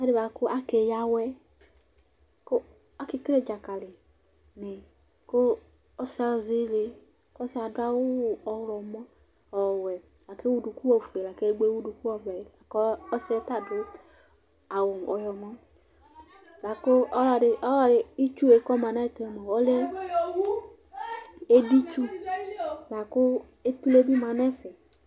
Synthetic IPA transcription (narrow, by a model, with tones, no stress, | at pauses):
ɛ˦di˨βa˨˦ko˦ʔa˦ke˨ja˨wɛ˦ | ko˦ | a˦ki˦kle˦˨d͡ʒa˨ka˨le˨ | ne˨ | ko˦ | ɔ˦sɛ˧˦˨zi˦le˨ | kɔ˦sa˨dʊ˦a˦wu˦˨ɔ˨ɾɔ˨mɔ˦ | ɔ˨wɛ˨ | la˨ke˦wu˦du˨ku˦ɔ˨fe˨la˨ke˦ɡ͡be˦u˦du˨ku˦ɔ˨vɛ˨la˨kɔ˦ɔ˦sɛ˦ta˦˨dʊ˨ | a˨wʊ˨ɔ˨jɔ˨mɔ˦ | la˨ko˦ɔ˦la˨ɖɪ˨ʔɔ˦la˨dɪ˨i˦t͡ʃu˦e˨˦kɔ˦ma˨na˦˨tɛ˨mɔ˨ɔ˦le˦ | e˦bi˦t͡ʃu˦ | la˨kʊ˦ | e˦ti˦le˦bi˦ma˨˦nɛ˦fɛ˨